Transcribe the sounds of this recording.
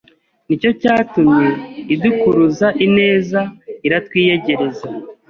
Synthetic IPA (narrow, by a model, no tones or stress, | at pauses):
nico̞caːtumɲeidukuɾuzaʔine̞ːzaiɾatwiːje̞ɟe̞ɾe̞za